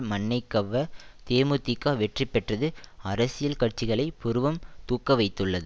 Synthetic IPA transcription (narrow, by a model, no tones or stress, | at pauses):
mɐɳːɐɪkːɐʋːɐt̪eːmɯt̪ːikːaːʋɛʈripːɛʈrɐðɯɐɾɐsɪjɐlkɐʈ̚t͡ʃːɪɣɐɭɐɪpʊɾɯʋɐmt̪uːkːɐʋɐɪt̪ːɯɭːɐðɯ